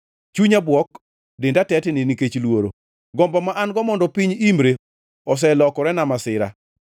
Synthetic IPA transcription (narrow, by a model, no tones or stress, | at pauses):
t͡ʃuɲabwɔk | dɪndatɛtniniket͡ʃlwoɾo̰ | ɡɔmbamaʔanɡɔmɔndɔpiɲimɾe | ɔs̬ɛlɔkɔɾɛnamasɪɾa̰